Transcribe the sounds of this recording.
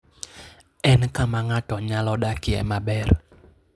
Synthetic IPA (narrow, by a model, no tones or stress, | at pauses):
ʔɛnəkamaŋaɖ̥ɔ̤ɲalɔɗaɡ̥iɛ̰maɓɛr